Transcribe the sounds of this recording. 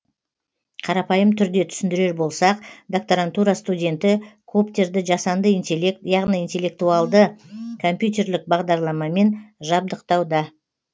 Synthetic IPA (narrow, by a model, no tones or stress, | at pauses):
qʰɑɾɑpɑjəmt̪ʰʏɾd̪e̞t̪ʰʏ̥sɪnd̪ɪɾe̞ɾbo̞lˠsɑq̚d̪ak̚t̪oɾant̪uɾɑst̪udʲe̞nt̪ɪkʰopt̪ʲe̞ɾd̪ɪʒɑsɑnd̪əijɑʁnijint̪ʲe̞lʲːe̞k̚t̪uɑlˠd̪əkʰo̞mʲpʲjut̪̬ʲe̞ɾlɪk̚bɑʁd̪ɑɾlˠɑmɑme̞nʒɑb̚d̪əqt̪ɑwd̪ɑ